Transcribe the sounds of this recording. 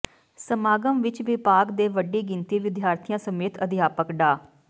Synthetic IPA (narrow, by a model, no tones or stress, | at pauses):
səmaːɡəmʋɪt͡ʃʋipaːkd̪eːʋəɖiːɡɪnt̪iːʋɪd̪ʱjaːɾt̪ʰɪjãːsəmeːt̪ʰəd̪ɪjaːpəkɖaː